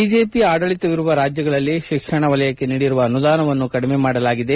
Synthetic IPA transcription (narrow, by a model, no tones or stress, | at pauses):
id͡ʒe̞ːpiaːɽɐɭit̪ːɐʋiɾuʋɐɾaːd͡ʒjɐɡɐɭɐlːiʃikʂɐɳɐʋɐlɐjɐkːe̞niːɽiɾuʋɐːnud̪aːnɐʋɐnːukɐɽime̞maːɽɐlaːɡid̪e̞